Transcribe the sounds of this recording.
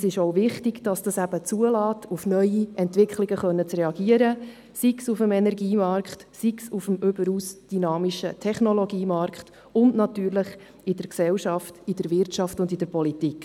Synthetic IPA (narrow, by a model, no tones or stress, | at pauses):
sɪʃoʊvɪχtɪɡd̥ɑsd̥ɑsæb̥ət͡suəlɑːtʰufnœʏiɛntʋɪkχlɪɡəχœnːət͡srɛɑɡiəɾə | siksufəmɛnɛɾɡiːmɑɾkχtsiksufəmʏbəɾuːsd̥ynɑːmiʃə̰tʰɛχnɔlɔɡiːmɑɾkχt | ʊndnɑtyːɾləχ | ɪd̥əɾksɛwʃɑftɪd̥əɾvɪɾtɑftʊndid̥əɾpɔlitik